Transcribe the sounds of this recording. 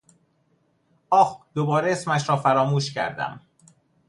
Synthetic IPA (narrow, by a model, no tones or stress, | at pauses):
ʔɒːxd̪̥obɒːɾeesmæʃɾɒːfæɾɒːmuːʃcʰæ̰ɾd̪æ̰m